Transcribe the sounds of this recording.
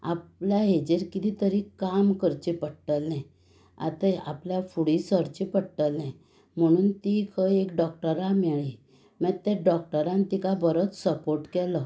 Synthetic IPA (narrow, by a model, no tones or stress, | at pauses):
a̰pljaɦed͡ʑeɾkit̪it̪əɾikamkəɾt͡ɕipəɽʈəlnɛ̃ | a̰t̪əa̰pljafuɽisəɾt͡ɕipəɽʈəlnɛ̃ | m̤əɽ̃uːnt̪ikʰəekɖɔk̚ʈəɾamɛɭi | mɛt̪ɛɖɔk̚ʈəɾãnt̪ikabəɾət͡ssəpoɾʈkɛlə